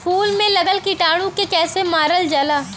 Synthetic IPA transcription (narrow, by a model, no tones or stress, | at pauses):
pʰuːlmẽlɐɡəlkiʈaːɽ̃ũkekɛːsemaːɾəld͡ʒəlaː